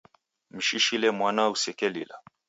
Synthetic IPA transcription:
m̩ʃiʃilɛmwanausɛkɛlḭla̰

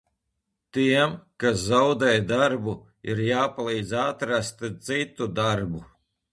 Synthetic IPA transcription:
t̪iɛmkaszawd̪ɛjd̪aɾbu | iɾjaːpalˠiːd̪zat̪ɾast̪zit̪ːud̪aɾbu

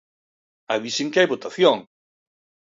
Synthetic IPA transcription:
aβiseŋkeajβot̪aθjoŋ

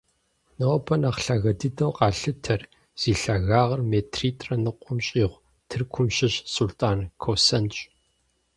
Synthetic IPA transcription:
nobʰɐnaːχɬaːɣɐdɨdɐwqʼɑːɬɨtʰɐr | z̥iːɬaːɣaːʁɐrmeːtʰriːtʼrɐnɨqʷʼʊmɕʼiːʁʷ | tʰɨrkʷʰʊmɕɪɕsultʼaːnkʰowsɐnt͡ʃʼ

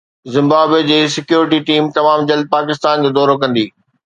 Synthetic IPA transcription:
zɪ̃mbaːbed͡ʑeːsɪkjuːɾɪʈiʈiːmt̪ɐmaːmd͡ʑɐld̪̚paːkɪst̪aːnd͡ʑoːd̪ɔːɾokɐ̃nd̪iː

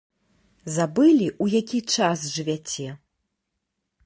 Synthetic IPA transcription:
zabɨlʲiʔujakʲit͡ʂasʐɨvʲat͡sʲɛ

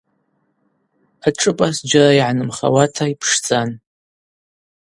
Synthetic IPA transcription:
aʈ͡ʂʼɨpʼasd͡ʒaraiʕanɨmχa̰watʰaipʰʂd͡zʼan

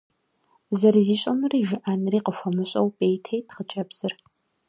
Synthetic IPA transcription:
zɐɾiziːɕʼɐmɨriːʒɪʔaːnɨriːqəfʷɐmɨɕʼɐwpʼejtʰɐjtχət͡ʃʼɐbz̥ɨr

